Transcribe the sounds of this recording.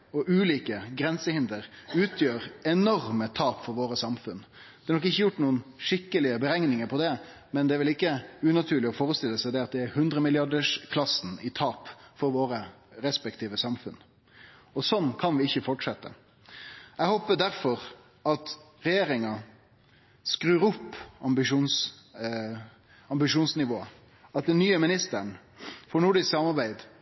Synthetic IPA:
ɔʔʉːliːkəɡɾɛnsəhɪnd̪əɾʉːt̪ʰjøːɾɛnɔɾmət̪ʰɑːpfɔɾʋoːɾəsɑmfʉn | d̪̥ɛːɾnɔkɪçːəjʊʈːnuːənʂɪkːəlɪəbəɾɛŋnɪŋəɾpʰɔd̪ɛ | mɛnd̪ɛæɾʋɪlɪkːəʉːnɑt̪ʰʉːɾlɪɔfoːɾəst̪ɪlːəsæɪd̪ɛɑt̪̚d̪ɛæɾhʉnd̪ɾəmɪlɪɑɖəʂkʰlɑsn̩ɪt̪ʰɑːpfɔɾʋoːɾəɾɛspɛkt̪ʰiːʋəsɑmfʉn | ɔsɔnkʰɑnʋɪɪçːəfɔʈʂɛt̪ːə̰ | ɛɡhoːpəd̪æɾfɔɾ | ɑt̪ | ɾɛjeːɾɪŋɑ | skɾʉːɾʊpːɑmbɪʂuːns | ɑmbɪʂuːnsnɪʋoːə | ɑt̪̚d̪ɛnːyːəmɪnɪst̪əɳ | fɔɾɳʊɖɪsksɑmɑɾbæɪd̪

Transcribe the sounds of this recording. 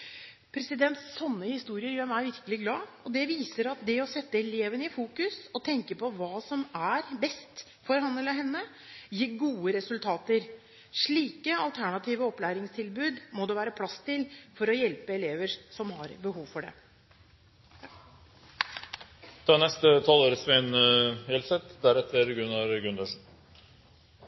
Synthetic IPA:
pʰɾɛsɪd̪ɛnt̪sːɔnːəhɪst̪uːɾɪəɾjøːɾmæɪʋɪɾkəlɪɡlɑːɔd̪ɛʋiːsəɾɑt̪̚d̪ɛɔsɛt̪ːəɛleːʋənəɪfuːkʉsɔt̪ʰɛŋkəpɔʋɑːsɔmæɾbɛst̪ | fɔɾhɑnləɦɛnːə | jiːɾɡuːəɾɛsʉlt̪ʰɑːt̪əɾ | ʂɭiːkəɑlt̪ʰæɳɑt̪ʰiːʋəɔplæːɾɪŋst̪ʰɪlbʉːd̪mɔd̪ɛʋæːɾəpʰlɑst̪ɪlfɔɾɔjɛlpəɛleːʋəɾsɔmhɑɾbəhuːʋfɔɖɛ̰ | t̪ʰɑːnɛst̪ət̪ʰɑloːɾəsʋeɪnhɛlsɛt̪d̪æɾɛt̪ʰːəɾɡʉnɑɾɡʉnd̪əʂn̩

